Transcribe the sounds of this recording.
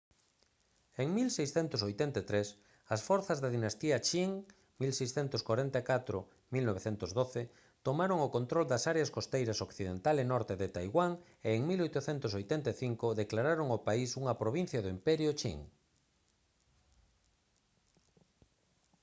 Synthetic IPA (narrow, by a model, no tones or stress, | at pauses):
eŋmilsejsθent̪ʊsojt̪ɛnt̪et̪ɾes | ɐsfɔɾθɐzðaðinast̪iɐt͡ʃiŋ | milsejsθɛnt̪ʊskwaɾent̪akat̪ɾʊ | milnoβeθent̪ʊzðoθe | t̪omaɾoŋʊkõnt̪ɾold̪ɐsaɾeaskost̪ejɾɐsokθið̞ent̪alenɔɾt̪eðet̪ajɣwaŋ | eːŋmilojt̪ʊθɛnt̪ʊsojt̪ɛnt̪aeθiŋkʊðeklaɾaɾoŋopaisuŋɐpɾoβin̟θjɐðʊimpɛɾjʊt͡ʃḭŋ